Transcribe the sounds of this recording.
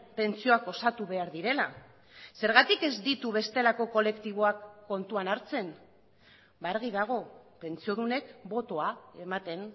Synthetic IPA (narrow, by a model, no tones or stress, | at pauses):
pe̞nt͡sio̞ako̞sat̪uβe̞aɾðiɾe̞la | se̞ɾɣ̞at̪ike̞zd̪it̪uβe̞st̪e̞lako̞ko̞le̞kt̪iβ̞o̞akːo̞nt̪uanaɾt͡se̞n | baɾɣið̞aɣ̞o̞pe̞nt͡sio̞ðune̞kbo̞t̪o̞ae̞mat̪e̞n